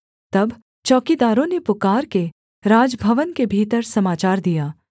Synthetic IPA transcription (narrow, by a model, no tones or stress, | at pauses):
t̪ɐb | t͡ʃɔːkid̪aːɾõnepʊkaːɾke | ɾaːd͡ʒbʱɐʋənkebʱiːt̪əɾsɐmaːt͡ʃaːɾd̪ijaː